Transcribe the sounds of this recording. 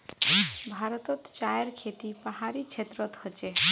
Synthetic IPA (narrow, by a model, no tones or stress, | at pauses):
bʱaɾt̪ɔt̪t͡ʃajəɾkʰet̪ipəɦaɾikt͡ʃʰet̪ɾət̪hət͡ʃe